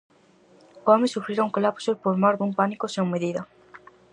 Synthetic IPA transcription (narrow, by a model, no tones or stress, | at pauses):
oɔmesufɾiɾoŋkolapsopoɾmɔɾðumpanikoseuŋmeðiðɐ